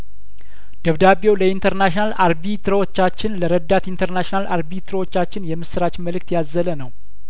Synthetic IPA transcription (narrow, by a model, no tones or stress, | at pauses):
d̪̥əβd̪abewləint̪ʰəɾnaʃinalaɾbit̪ʰɾəwot͡ʃːat͡ʃːɪnləɾəd̪at̪int̪ʰəɾnaʃinalaɾbit̪ʰɨɾəwot͡ʃːat͡ʃːɪnjɛmːɨsɨɾat͡ʃməlɨk̚t̪jazːələnəw